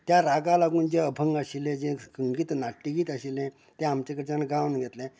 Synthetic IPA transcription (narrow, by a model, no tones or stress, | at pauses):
t̪jaɾaɡalaɡuːnd͡ʑeəbʱəŋɡaɕilẽd͡ʑẽkəŋɡiːt̪naʈːiɡiːt̪aɕilɛ̃ | t̪ɛ̃amt͡ɕẽkəɾt͡ɕãnɡaʋnɡʱɛt̪lɛ̃